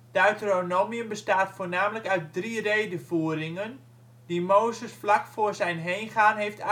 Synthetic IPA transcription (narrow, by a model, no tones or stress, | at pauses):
dəœɥtəronoːmiənbəstaːtfoːnaːmələkœɥt̚drireːdəfuəɾɪŋən | dimoːzəsflakfoərzɛjnɦejnχaːnɦeft